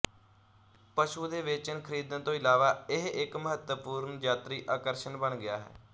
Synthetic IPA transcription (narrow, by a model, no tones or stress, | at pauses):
pəʃuːd̪eːʋɪt͡ʃənkʰəɾiːd̪ənt̪õːɪlaːʋaːɪɦɪkməɦət̪wəpuːɾnd͡ʒaːt̪ɾiːʔaːkəɾʃənbəɳɡɪja̰ːɦɛ̰ː